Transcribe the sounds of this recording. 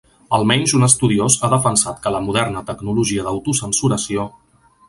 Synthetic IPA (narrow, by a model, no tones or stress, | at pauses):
əlˠmɛɲzunəst̪uðiozaðəfənsat̪kələmuðɛrnət̪əɡnuluʒiəðəwt̪usənsuɾəsio